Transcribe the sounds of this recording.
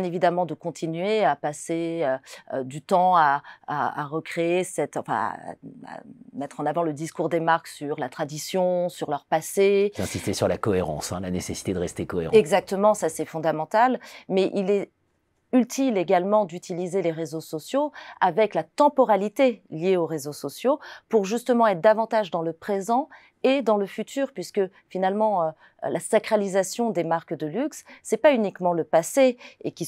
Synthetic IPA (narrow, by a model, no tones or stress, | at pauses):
jɛ̃nevid̪amɑ̃d̪əkɔ̃t̪ʰinɥeapaseøød̪yt̪ɑ̃aa̰a̰ʁəkχeesɛt̪ɑ̃fɛ̰̃a̰a̰mɛt̪χɑ̃navɑ̃ləd̪iskuʁd̪emaʁksyʁlat̪χad̪isjɔ̃syʁlœʁpased̪ɛ̃sist̪esyʁlakɔeʁɑ̰̃sɛ̃lanesesi̥t̪ed̪əʁɛst̪ekɔḛʁ̰̃ɛɡzak̚t̪əmɑ̃sasɛfɔ̃d̪amɑ̃t̪almɛʔilɛ | ylt̪ʰileɡalmɑ̃d̪yt̪ilizeleʁezosɔsjoavɛklat̪ɑ̃pɔʁalit̪eljeoʁezosɔsjopuʁʒyst̪əmɑ̃ɛt̪d̪avɑ̃t̪aʒd̪ɑ̃ləpχezɑ̃ | ed̪ɑ̃ləfyt̪ʰyːʁpɥiskə | finalmɑ̃ø | lasakχalizasjɔ̃d̪emaʁkd̪əlyksːɛpaynikmɑ̃ləpaseekʲi